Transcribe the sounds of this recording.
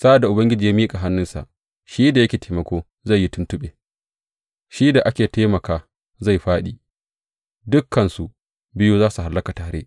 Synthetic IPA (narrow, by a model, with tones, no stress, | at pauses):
sa˦ʔa˨da˨ʔʊ˨bɐ˦ŋɡʲɪ˦d͡ʒiː˨jaː˦miː˦kʼa˨ɦa˦nːʊ˦nsa̰˨ʔ | ʃiː˦da˨jɐ˦kʲeː˨tʰeː˨mɐ˨kʷoː˦ | za˦˨jːi˦tʊ˦ntʊ˦ɓeː˨ | ʃiː˦da˨ʔa˦kʲeː˨taː˦mɐ˨kaː˦ | za˦˨jɸaː˦ɗi˨ | dʊ˦kːɐ˨nsu˨ʔ | bɪ˦ju˦zaː˦su˨ɦa˨lːɐ˦ka˨taː˨ɾḛ˦